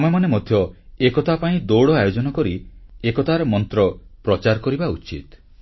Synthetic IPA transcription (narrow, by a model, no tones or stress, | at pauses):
mɔjmanemɔd̪ʱjɔekɔt̪ʰapaĩd̪owɽɔajod͡ʒɔnɔkɔɾiekɔt̪ʰaɾɔmɔnt̪ɾɔpɾɔt͡ʃaɾkɔɾibaut͡ʃḭt̪